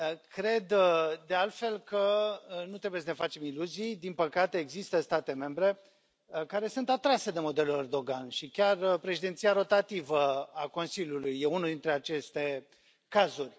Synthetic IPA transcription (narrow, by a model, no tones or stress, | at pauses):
əkɾe̞d̪d̪e̞alt̪fe̞lkənut̪ɾe̞bujes̬ənefat͡ʃe̞miluzijd̪inpəkat̪e̞ːɡzist̪əst̪at̪e̞me̞mbɾe̞ | kaɾe̞sunt̪at̪ɾase̞d̪e̞mo̞d̪e̞lulerd̪o̞ɡanʃikʲarpɾe̞ʃid̪e̞nt̪sijaɾo̞t̪at̪ivəako̞nsilʲjulujːe̞unud̪int̪ɾe̞at͡ʃe̞st̪e̞ | kazurʲ